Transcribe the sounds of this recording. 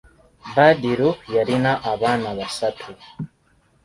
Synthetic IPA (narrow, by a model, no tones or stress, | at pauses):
badiɾujaɾinaʔaβanaβasatʰu